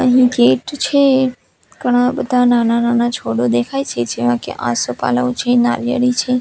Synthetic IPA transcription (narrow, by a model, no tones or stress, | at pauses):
əɦĩɡeʈt͡ʃʰe | ɡ̥əɽ̃abəd̪ʱananananat͡ʃʰoɽod̪ekʰajt͡ʃʰed͡ʒeʋãkḛʔã̰sopa̰ləõt͡ʃʰena̰ɾjə̰ɾit͡ʃʰe